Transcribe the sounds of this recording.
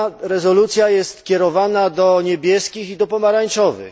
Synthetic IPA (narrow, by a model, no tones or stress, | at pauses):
ɾɛzɔlut̪sʲjajɛst̪kʲɛɾɔvanad̪ɔɲebʲjɛskʲixid̪ɔpɔmaɾaɲt͡ʂɔvɘ̰x